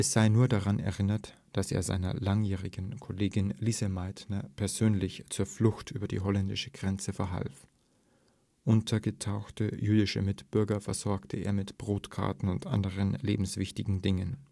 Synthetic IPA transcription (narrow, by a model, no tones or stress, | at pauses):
ʔɛsz̥aɪnuːɐdaʁanɛ̰ɐʁɪnɐt | d̥asḛːɐza̰ɪnɐ̰laŋjɛːʁɪɡənkʰoleːɡɪnliːzəmaɪtnɐpʰɛɐz̥øːnlɪçt͡suːɐflʊxtʔyːbɐdḭːɦɔlɛndɪʃə̥ɡ̥ʁɛnt͡səfɛɐɦa̰lf | ʔʊntʰɐɡətʰaʊxtəjyːdɪʃə̰mɪtb̥ʏɐɡɐfɛɐz̥ɔɐktʰəḛːɐmɪtb̥ʁoːtkʰa̰ɐtn̩ʊntʔa̰ndəʁ̞ənlḛːbm̩sv̥ɪçtɪɡŋ̩dɪŋən